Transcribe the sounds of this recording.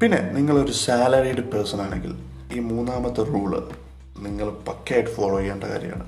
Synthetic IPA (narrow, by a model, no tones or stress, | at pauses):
pinːe̞̰niŋːɐɭo̞ɾusaːlɐriɖɨpeːsɐnaːɳe̞ŋɡḭl | iːmuːnːaːmɐt̪ːɨruːɭɨ̰ | niŋːɐɭpɐkːeːɖɨfoːɭoːjeːɳɖɐka̰ːɾjɐ̰ja̰ːɳɨ